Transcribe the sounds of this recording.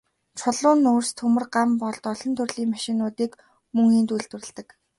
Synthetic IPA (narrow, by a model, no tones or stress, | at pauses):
t͡ɕʰʊɮʊːnʊːrst̪ʰxɵmɵ̆rɢampɔɮt̪ɔɮɞ̆nt̪ʰɵrɮiːŋmaʃɪ̆nʊːt̪iːk | mɵŋiːnt̪ujɮt̪wɘ̆rɘ̆ɮt̪ɘ̆k